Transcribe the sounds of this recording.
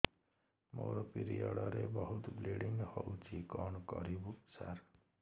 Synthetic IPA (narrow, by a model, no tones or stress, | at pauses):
moɾopiɾijɔɽʌɾebʌɦut̪bleɽiŋɡhʌut͡sikɔnkʌɾibuksar